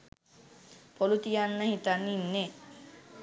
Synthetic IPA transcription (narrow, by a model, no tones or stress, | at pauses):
polut̪ijanːəhit̪anːinːe